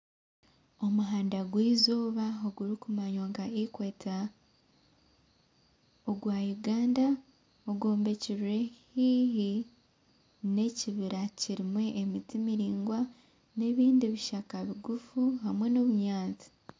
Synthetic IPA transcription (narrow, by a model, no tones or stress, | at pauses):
o̞muɦaːndaɡwiːzoːβaoɡuɾikumaɲoːŋɡaikwe̞ːta | oɡwaːjuɡaːnda | oɡoːmbe̞ciβuɾe̞hiɦi | ne̞ciβiɾaciɾimweʔːmitimiɾiːŋɡwa | ne̞ːβiːndiβiʃakaβiɡufuɦamwe̞noβuɲaːt͡si̥